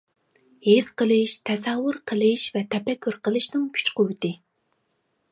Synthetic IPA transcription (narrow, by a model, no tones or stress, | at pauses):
hez̥qəlˠɨʃt̪ʰɛsɑwʊɾqʰəlˠɨʃvɛt̪ʰɛpɛkʲːyɾqʰəlˠɨʃnɪŋkʲʰy̥t͡ʃqʰowt̪ɨ